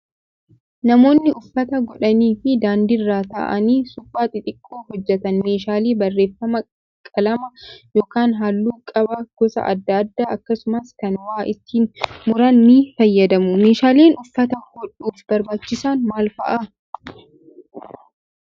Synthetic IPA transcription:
nɐmo̞ːnːɪʊfːɐt̪ɐɡɔᶑɐniːfɪd̪aːnd̪irːaːt̪a̰ʔɐniːsʊpʼːaːt̪ʼɪt̪ʼɪkʼːoːhɔd͡ʒːɛt̪ɐnme̞ːʃaːleːbɐrːe̞ːfːɐmɐ | kʼɐlɐmɐjo̞ːkaːnɦalːuːkʼɐbɐɡ̥ɔsɐ̰ʔɐ̰d̪ːɐd̪ːaːʔɐkːɐsʊmɐskɐnwaːʔɪt̪ːiːnmʊɾɐnːifɐjːɐd̪ɐmʊme̞ːʃaːleːnʔʊfːɐt̪ɐhɔᶑuːfbɐɾbaːt͡ʃːɪsanmaːlfɐ̰ʔɐ

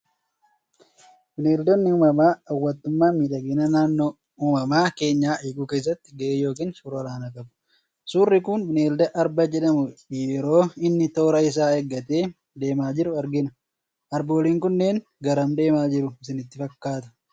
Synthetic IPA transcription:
bɪneːld̪ɔnːɪuːmɐmaːɐwːɐt̪ːʊmːaːmiᶑɐɡeːnɐnaːnːoː | uːmɐmaːke̞ːɲːaːʔiːɡʊke̞ːs̬ːɐt̪ːɪɡɐʔeːjo̞ːk̬iːnsuːɾɔɾaːnɐkʼɐbʊ̥ | suːrːɪkʊnbɪneːld̪ɐʔɐɾbɐd͡ʒɛᶑɐmʊjɛɾo̞ːɪnːɪt̪o̞ːɾɐɪs̬aːɛɡːɐt̪e̞ː | d̪e̞ːmaːd͡ʒɪɾʊɐɾɡɪnɐ | ʔɐɾboːliːŋkʊnːe̞ːn | ɡɐɾɐmd̪e̞ːmaːd͡ʒɪɾʊɪsɪnɪt̪ːɪfɐkːaːt̪ɐ̥

